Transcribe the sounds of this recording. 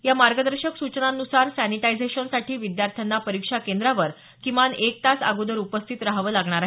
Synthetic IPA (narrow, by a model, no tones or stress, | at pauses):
jamaɾɡəd̪əɾɕəksut͡ɕnanːusaɾsæniʈajd͡zeɕənsaʈʰiːʋid̪jaɾt̪ʰjanːapəɾikʂakend̪ɾaʋəɾ | kĩʋanek̚t̪asa̰ɡud̪əɾupəst̪ʰit̪ɾaɦʋəːlaɡɳ̃aɾaɦ